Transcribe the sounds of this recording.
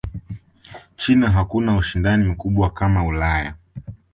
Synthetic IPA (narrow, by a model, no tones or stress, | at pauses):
t͡ʃinaɦakunauʃindanim̩kuɓwakamaulaja̰